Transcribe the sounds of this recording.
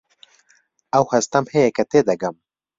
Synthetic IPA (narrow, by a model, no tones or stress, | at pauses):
ɐwhɐst̪ɐmhejɛkɛt̪eːd̪ɐɡɐm